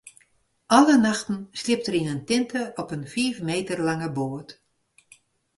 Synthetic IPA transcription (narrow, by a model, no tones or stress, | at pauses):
ʔalənaxtn̩slɪp̚təɾinəntɪntʰəɔpənfiːfmeːtərlaŋəboət